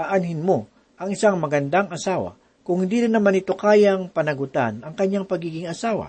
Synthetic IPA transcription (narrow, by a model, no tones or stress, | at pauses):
aʔanɦɪnmo | ʔɐŋʔɪsaŋmɐɡɐnd̪aŋɐsaːwa̰ | kʊŋhnd̪iːɾɪnːɐmanɪt̪o̞kaːjaŋpɐnɐɡʊt̪a̰nɐŋkɐɲːaŋpɐɡiːɡɪŋɐsaːwa̰